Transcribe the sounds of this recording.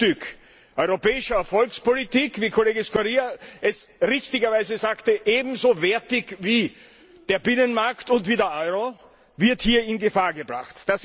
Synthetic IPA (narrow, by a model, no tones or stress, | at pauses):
tʏk | ʔɔʏʁopɛːɪʃɐɛɐfɔlkspolitiːkv̥iːkʰoleːɡəskoʁiːaʔɛsʁɪçtɪɡɐvaɪzəzaːktəʔeːbm̩zovɛɐtɪçviː | d̥eːɐbɪnənmaɐktʊntv̥iːdeːɐʔɔʏʁo | vɪɐthiːɐɪnɡəfaːɐɡəbʁa̰xtːd̥as